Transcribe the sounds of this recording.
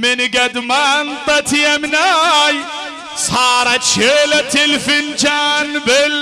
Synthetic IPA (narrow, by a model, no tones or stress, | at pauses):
mɪnɡɐd̪mant̪ɐt̪ʰijɐmnaj | saɾat͡ʃʰelɐt̪ʰelfɪnd͡ʒanbɪl